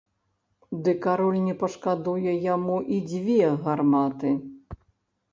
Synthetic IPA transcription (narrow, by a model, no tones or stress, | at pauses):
d̪ɨkaɾɔlʲnʲɛpɐʂkad̪ujɛjamuʔid͡zʲvʲɛɣarmat̪ɨ